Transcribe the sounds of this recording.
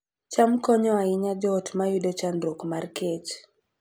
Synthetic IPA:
t͡ʃamkɔɲɔaɪɲad͡ʒɔtmajudɔt͡ʃanɾokmarket͡ʃ

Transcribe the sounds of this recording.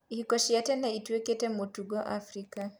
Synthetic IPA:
ihikɔʃiatɛnaituɛkɛtɛmotuɡɔʔafɾika

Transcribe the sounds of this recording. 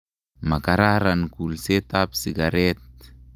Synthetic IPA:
makaɾaɾankulset̪apsiɡaɾɛt̪̚

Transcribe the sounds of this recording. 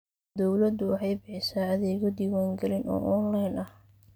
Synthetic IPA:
d̪ɔwlɐd̪ʊwɑħɑjbɪħɪsaːɐðɛːɣɔd̪iːwaːŋɡɐlɪnʔɔ̰ːʔɔːnlɐjnʔɐh

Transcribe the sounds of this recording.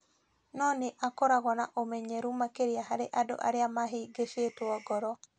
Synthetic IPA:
nɔneʔakɔɾaɣɔnaʔomɛɲɛɾumakeɾiaɦaɾeʔado̰ʔa̰ɾeamaɦeɡeʃetwɔɡɔɾɔ

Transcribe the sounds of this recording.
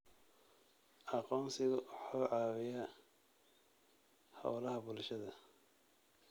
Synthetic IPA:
ʔɑqɔːmsɪɣɐħuːʕɑːwɪjɐ | hɐ̰wlɐɦɐbʊlʃɐðɐ

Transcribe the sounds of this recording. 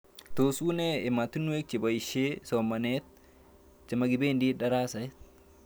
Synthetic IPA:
t̪oːsuːneɪmat̪ɪnːʊet͡ʃːɪbɐjɪʃeːsoːmɐneːt̪ | t͡ʃːɐmɐɡɪbeːnd̪iːᶑɐɾaːsɐɛt̪

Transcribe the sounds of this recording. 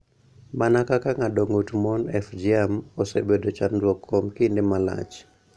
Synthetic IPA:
manakakaŋadoŋotmɔnɛfd͡ʒiamosebedɔt͡ʃandwɔkʰːɔmkindemala̰t͡ʃ

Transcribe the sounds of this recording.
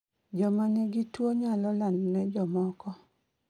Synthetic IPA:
d͡ʒɔmanɪɡitwoɲalɔlandnɛd͡ʒɔmɔkɔ

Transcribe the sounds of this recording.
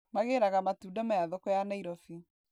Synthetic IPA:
maɣeɾaɣamatuːdamajaðɔkɔjanaiɾɔfi

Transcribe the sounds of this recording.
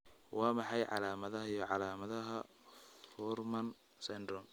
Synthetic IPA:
wʔɑːmɑħɑjʕɑ̰laːmɐðɐɦɐjɔʕɑlaːmɐðɐɦɐ | fɔrmɐn | sɛnd̪ɾɔm

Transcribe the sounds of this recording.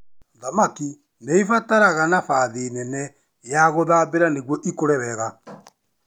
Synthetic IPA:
ðamaki | neifataɾaɣanafaðenɛnɛ | jaɣoðaːβeɾaneɣwɔʔikoɾɛβɛɣa

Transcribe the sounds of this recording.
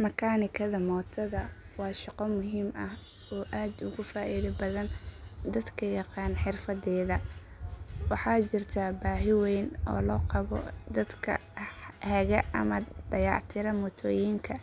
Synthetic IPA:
mɐkʰaːnɪkʰɐðɐmɔːt̪ʰɐðɐ | wɑːʃɑqɔmʊɦiːmɐh | ɔːʔaːd̪ʊɣʊfaːʔiːðɐbɐðɐnd̪ɐd̪kʰɐjɑqɑːnħɪrfɐðɛːðɐ | wɑħɑːt͡ʃɪrt̪ʰabaːɦɪwɛjnʔɔ̰ːlɔːqɑβɔ̰d̪ɐd̪kʰɐ̰hɛɣɐɐ̰mɐd̪̥ɐjɑ̰ːʕt̪ʰɪɾɐmɔt̪ʰɔːjiŋkʰɐ

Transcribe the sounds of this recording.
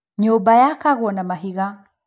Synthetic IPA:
ɲɔbajakaɣɔnamaɦiɣa

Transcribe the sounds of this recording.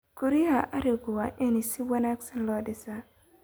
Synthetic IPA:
kuɾiaʔaɾiɡowaʔenisiwanaksɛnlɔdɪsa

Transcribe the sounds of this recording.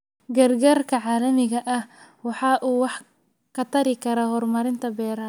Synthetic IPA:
ɡɐrɡaːrkʰɐʕaːlɐmɪɣɐʔɐhwɑħɑːʔuːwɑħ | kʰɐt̪ʰɐɾɪkʰɐɾaːhɔrmɐɾɪnt̪ʰɐbɛːɾɐ

